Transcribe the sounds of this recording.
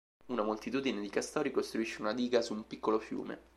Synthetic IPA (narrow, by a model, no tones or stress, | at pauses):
unamolt̪it̪uːd̪ined̪ikast̪ɔːɾikost̪ɾuiʃːeunad̪iːɡasuːmpikːolofjṵːmḛ